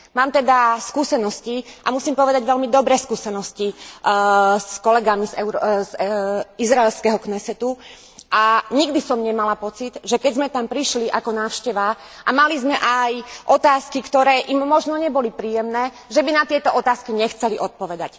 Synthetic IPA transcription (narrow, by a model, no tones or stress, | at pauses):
maːmt̪ɛd̪askuːsɛnɔsciʔamusimpɔʋɛd̪aɟʋɛlmid̪ɔbɾɛːskuːsɛnɔsci | skɔlɛɡamizɛʊzizɾaɛlskɛɦɔknɛsɛt̪u | ʔaɲiɡd̪isɔmɲɛmalapɔt͡sid̪ʒɛkɛɟzmɛt̪ampɾiʃliʔakɔnaːʊʃcɛʋa | ʔamalizmɛʔajʔɔt̪aːskikt̪ɔɾɛːʔimːɔʒnɔɲɛbɔlipɾiːjɛmnɛː | ʒɛbinat̪ɪɛt̪ɔʔɔt̪aːskiɲɛxt͡sɛliʔɔt̪̚pɔʋɛd̪ac